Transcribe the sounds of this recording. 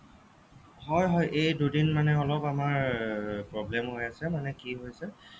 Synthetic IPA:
hɔjɦɔjʔejdudinmanɛɔlɔpamaɹpɹɔblɛmɦojasɛmanɛkiɦojsɛ

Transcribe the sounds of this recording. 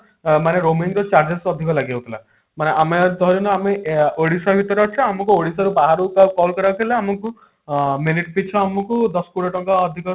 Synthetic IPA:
maneɾomiŋkɔt͡ʃaɾd͡ʒesɔd̪ʱikɔlaɡawt̪ʰila̰ | maneʔamed̪ʱɔɾɔnɔameoɽisɔbʱit̪ɔɾɔɔt͡ʃʰɔamɔkuoɽisaɾubaɦaɾukakɔlkɔɾakʰelaːmɔku | miniʈ̚pit͡ʃʰɔamɔkud̪ɔskuɽɔʈɔkaɔd̪ʱikɔ

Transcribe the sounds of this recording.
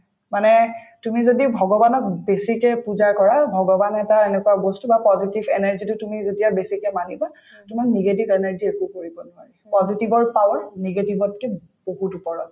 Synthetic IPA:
manɛ | tumizodibʱɔɡɔbanɔk̚besikɛpuzaɹkɔɹabʱɔɡɔbanɛtaenɛkuaɡostubapɔzitibʱenɛɹzitʊtumizotijabesikɛmaniba | tumakniɡetibɛnaɹziekukoɹibɔnuaɹipɔzitibɔɹpawaɹniɡetibɔtːɛ | b̥oɦutupɔɹɔt̚

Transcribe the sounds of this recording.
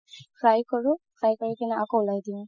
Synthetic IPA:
kʰɹajkɔɹukʰɹajkɔɹikinɛakɔʊlajdiɔ̃

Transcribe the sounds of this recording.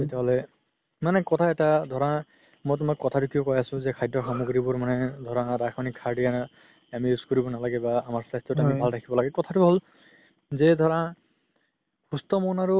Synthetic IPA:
etɛɦɔlɛ | manɛkɔtʰaɛtadʱɔɹã | mɔjtʊmakːɔtʰatukijokɔjasʊ̃zɛkʰajdɔxɔmuɡɹibʊɹmanɛd̪ʱɔɹãdakʰɔnikʰaɹdija | amiuskoɹibɔnalaɡɛbaːmaɹsastɔtamibʱalɾʰakʰibɔlaɡɛkɔtʰatuɦol | zɛd̪ʱɔɹã | xustɔmɔnaɹu

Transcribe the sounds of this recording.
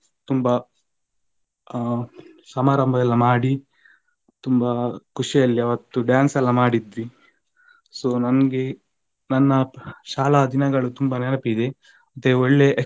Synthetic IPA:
t̪umbɐ | sɐmaːɾɐmbʱɐɐlːɐmaːɽi | t̪umbɐkuʂijɐlːiɐʋɐt̪ːuɖjaːnsɐlːɐmaːɽid̪ʋi | soːnɐnɐɡe | nɐnːɐʃaːlɐd̪inɐɡɐɭut̪umbɐnɛnɐpid̪e̞ | mɐt̪ːeoɭːe̞ʔː

